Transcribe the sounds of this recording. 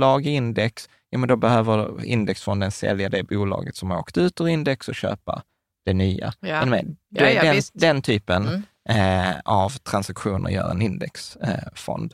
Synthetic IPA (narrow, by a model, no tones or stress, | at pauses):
lɑːɡɪɪnd̪ɛks | juːmɛnd̪ɔbɛhøːvəɾɪ̰nd̪ɛksfɔnd̪ənsɛ̰ljad̪ɛbuːlɑ̰ːɡət̪sɔmhaɾoːkt̪ʉ̟ːt̪ɔɾɪnd̪ɛksɔɕø̰ːpa̰ | d̪̥ɛnyːa̰ɛnɔmɛd̪ɛæɛd̪ɛnt̪ʰyːpən | avt̪ʰɾansakɧuːnə̰ɾjœ̰ːɾɛ̰nɪnd̪ɛksfɔ̰nd̪